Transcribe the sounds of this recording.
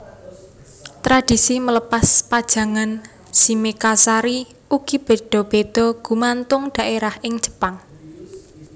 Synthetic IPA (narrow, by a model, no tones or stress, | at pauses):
t̪ɾad̪̥i̤simələpaspad̥ʒ̥ä̤ŋan | simekasaɾi | uɡ̥i̤b̥e̤ɖ̪̥ɔ̤b̥ed̪̥ɔ̤ɡ̥ṳmant̪ʊŋɖ̥a̤ʔeɾahʔɪŋd͡ʒə̥paŋ